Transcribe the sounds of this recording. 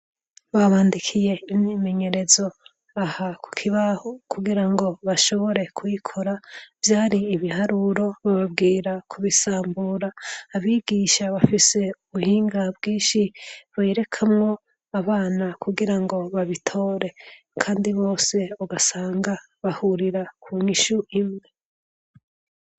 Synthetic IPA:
βaβaːndikʰije̞imime̞ɲe̞ɾe̞zo̞ | ahakʰu̥kʰiβahokuɡiɾaŋɡo̞βaʃo̞βo̞ɾe̞kʰujikʰoɾav̥jaːɾiːβihaɾuɾo̞βaβabɡiːɾakʰuβisaːmbuɾaːβiːɡ̥iːʃaβafise̞uβuhiːŋɡabɡiːnʃiβeɾe̞kʰamŋo̞ | aβaːnakuɡiɾaŋɡo̞βaβitʰo̞ːɾe̞ | kʰaːndiβo̞ːse̞oɡasaːŋɡa | βahuɾiɾakʰuɲiʃuʔimŋe̞

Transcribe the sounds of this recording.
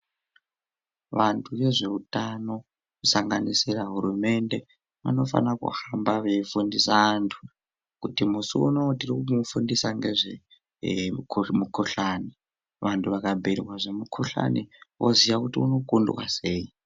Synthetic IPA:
ʋantʰuʋe̞ʐe̞utano̞ | kusaŋɡanisiraɦuɾume̞nde̞ | ʋa̰no̞fa̰nakṵhambaʋefundisantʰu̥ | kutimusuunotirikumufundisaŋɡeʐe | mukʰoɬani | ʋantʰuʋakabʱeɾiwaʐemukʰoɬa̰niwʔoziʋakutiuno̞kunduwa̰se̞ːji

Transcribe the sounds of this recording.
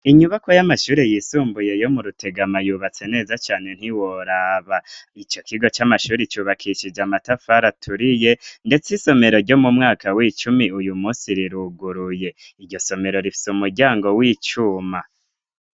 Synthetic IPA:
iɲuβakojamaʃuːɾejiːsuːmbuje̞jo̞muɾutʰe̞ɡamajuːβat͡se̞ne̞ːzat͡ʃaːne̞n̥hiwoɾaːβait͡ʃo̞kʰiɡo̞t͡ʃamaʃuːɾet͡ʃuβakʰiʃid͡ʒamatafaɾatʰuɾije̞nde̞t͡siso̞me̞ɾo̞ɾɟo̞mumŋaːkʰawiːt͡ʃumiujumuːsiɾiɾuɡuɾuje̞ | iɾɟo̞so̞me̞ɾo̞ɾifi̥sumuɾɟaːŋɡo̞wiːt͡ʃuma

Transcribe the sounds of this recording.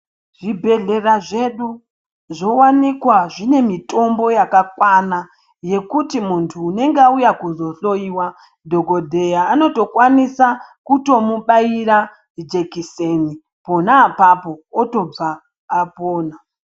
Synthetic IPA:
ʐ̥ibʱe̞ɮe̞raʐe̞ɗu | ʐowanikwaʐine̞mitʰo̞mbo̞jakakwana | je̞kutimuntʰuːne̞ŋɡaujakuzo̞ɬo̞iːwa | dʱo̞ɡʱo̞dʱe̞jaːno̞to̞kwanisakuto̞muɓaiɾa | d͡ʒe̞kiseni | po̞naːpapo̞ːto̞b͡vaː | poːna

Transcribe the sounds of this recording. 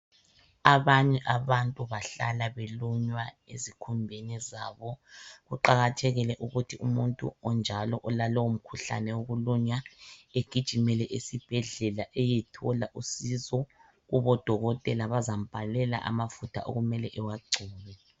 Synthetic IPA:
aβaɲɛʔaβantʼuβaɬa̰laβeluɲwaḛzikʰumbʱenizaβɔɣuǃaɣatʰɛɣilɛʔuɣutʰiumuntʼṵɔnd͡ʒʱalɔʔɔlalɔwum̩kʰuɬa̰nɛwoɣuluɲaeɡ̥ʱid̥ʒ̥ʱimɛlɛʔesib̥ʱɛɮɛlaʔɛjɛtʰɔlaʔusizɔ | ɣuβɔd̥ʱɔɣɔtʼɛlaβazam̩b̥ʱalɛla̰ʔa̰mafutʰa̰ʔo̰ɣumɛlɛʔɛwaɡ͡ǀʱuːβɛ

